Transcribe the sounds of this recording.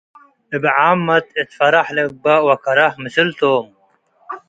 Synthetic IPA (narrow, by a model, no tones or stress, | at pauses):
ibʕaːmːɐt̪it̪fɐɾɐħlek̚bɐwɐkɐɾɐhmisilt̪oːm